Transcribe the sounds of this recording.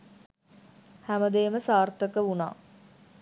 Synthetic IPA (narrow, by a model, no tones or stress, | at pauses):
hæməd̪eːməsaːrt̪əkəuna̰ː